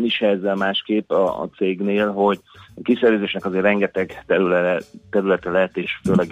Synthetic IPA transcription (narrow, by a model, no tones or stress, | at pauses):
niʃɛɛzːɛlmaːʃkeːpːɒ̰t̪seːɡneːlɦo̞ɟɒkisɛɾøzeːʃnɛkɒzeːrrɛŋɡɛt̪ɛɡt̪ɛɾylɛɛt̪ɛɾylɛt̪ɛlɛɦɛt̪eːʃføːlɛɡ